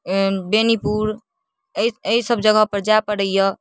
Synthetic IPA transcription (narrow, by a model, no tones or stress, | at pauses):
benipuɾ | ieɦisəbʱd͡ʒəɡəpəɾd͡ʒapəɽəjə